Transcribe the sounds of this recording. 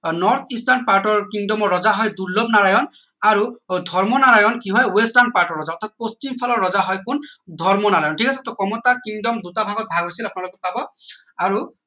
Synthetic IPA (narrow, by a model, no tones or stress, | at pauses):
nɔɹt̪ʰistanpaɹʈɔɹkiŋdɔmɔɹːɔzaɦɔjduɹlɔb̚naajɔn | aɹudʱɔɹmɔnaɹajɔnkiɦɔjwestanpaɹʈɔɹːɔzaɔt̪ʰat̪̚post͡ʃimpʰalɔɹːɔzaɦɔjkundʱɔɹmɔnaajɔnʈʰikasɛt̪ɔkɔmɔtakiŋdɔmd̪utabʱaɡɔt̚bʱaɡɦojsilap̚nalokɔpabɔ | aɹu